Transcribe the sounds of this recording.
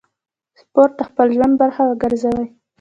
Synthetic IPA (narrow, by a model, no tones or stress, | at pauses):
spoɾt̪̚ːaxpəlʒwand̪̚baɾxawəɡəɾzawəj